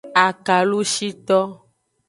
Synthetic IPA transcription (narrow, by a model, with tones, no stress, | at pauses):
a˨ka˨lu˦ʃi˦t̪ɔ˦